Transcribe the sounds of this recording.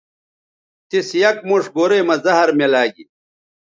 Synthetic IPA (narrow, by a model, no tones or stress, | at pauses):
t̪isjɐk̚muʂɡoːɾemɐzɐɦɐɾmelaːɡḭ